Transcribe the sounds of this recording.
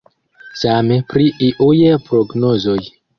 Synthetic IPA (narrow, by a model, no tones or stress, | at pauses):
samepɾiʔiʔujepɾoɡnozo̞j